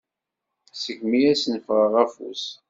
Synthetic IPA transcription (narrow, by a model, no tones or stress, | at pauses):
səɡmijæsnfʁəʁæfṵs